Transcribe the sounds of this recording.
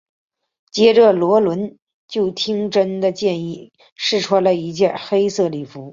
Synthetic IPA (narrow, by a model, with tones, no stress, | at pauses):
t͡ɕjɛ˥ʈ͡ʂə˥˩lwɔ˧˥lwə˧˥n | t͡ɕjo˥˩ʊt̪ʰi˥ŋʈ͡ʂə˥nd̪ə˧t͡ɕjɛ˥˧ni˥˩ | ʂɻ̩˥˩ʈ͡ʂʰwɔ˥lə˧i˧˥t͡ɕjɛ˥˩nxe˥ɪsɤ˥˧li˥˩fu˧˥